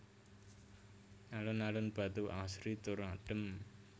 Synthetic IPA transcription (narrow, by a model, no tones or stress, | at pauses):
nalʊnalʊnb̥a̤t̪uʔasɾit̪uɾaɖ̥ə̤m